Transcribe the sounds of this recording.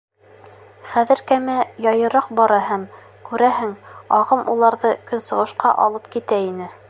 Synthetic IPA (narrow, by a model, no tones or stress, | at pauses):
χæðɘ̆ɾkæmæjɑjɤ̆ɾɑq̚bɑɾɑɦæm | kʉɾæɦɘŋɑʁɤmʔulˠɑɾðɤkɵ̆nsɤ̆ʁɤ̆ʃqɑʔɑ̰lˠɤpkit̪æinɘ